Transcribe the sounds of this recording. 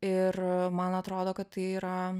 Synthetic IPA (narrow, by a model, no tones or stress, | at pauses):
ɪrmɐnɐt̪ɾoːd̪oːkɐt̪t̪ɐɪiːɾɐ